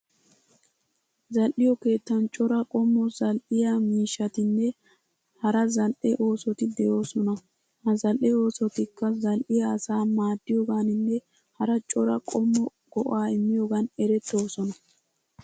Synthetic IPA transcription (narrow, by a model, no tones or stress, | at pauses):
zɐlʔɪjɔke̞ːt̪ːɐnt͡ʃʼɔɾɐkʼɔmːɔzɐlʔɪjamiːʃːɐt̪ɪnːɛ | hɐɾɐzɐlʔɛʔo̞ːsɔt̪ɪd̪ɛjo̞ːsɔnɐ | hɐzɐlʔɛo̞ːsɔt̪ɪkːɐzɐlʔɪjaːsaːmaːd̪ːɪjoːɡaːnɪnːɛ | hɐɾɐt͡ʃʼɔɾɐkʼɔmːɔ | ɡ̥ɔʔaːɪmːɪjoːɡɐnɛɾɛt̪ːo̞ːsɔnɐ